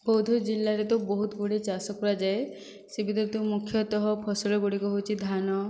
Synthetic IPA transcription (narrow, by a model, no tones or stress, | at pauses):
bowd̪ʱɔd͡ʒilːaɾet̪ubɔɦut̪ɡuɽet͡ʃasɔkuɾad͡ʒae | sebʱid̪ɔɾet̪umukʰːjɔt̪ɔɦɔpʰɔsɔlɔɡuɽikɔɦowt͡ʃʰid̪ʱanɔ